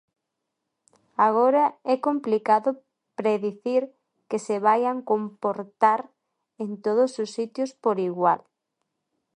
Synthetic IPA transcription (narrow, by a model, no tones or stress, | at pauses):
aɣ̞oɾɐɛkomplikaðʊ | pɾeðiθiɾ | keseβajaŋkompoɾt̪aɾ | ent̪oð̞ʊsʊsːit̪jʊspoɾiɣwal